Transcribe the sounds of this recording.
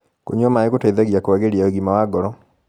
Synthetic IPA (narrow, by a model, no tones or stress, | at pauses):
koɲɔmaeɣotaiðaɣjakoaɣeɾjaoɣimawaɡɔɾɔ